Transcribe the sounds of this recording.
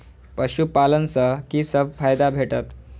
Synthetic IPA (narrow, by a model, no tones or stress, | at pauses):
pəɕupalənsəkisəb̚fajd̪abʱeʈət̪